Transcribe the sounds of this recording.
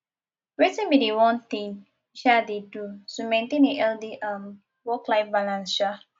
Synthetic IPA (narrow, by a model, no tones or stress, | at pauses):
ɹetĩnbidewɔ̃nt̪ĩŋ | iʃadedutumẽntẽneʔɛldiʔãm | wɔklaɪfbalãnʃa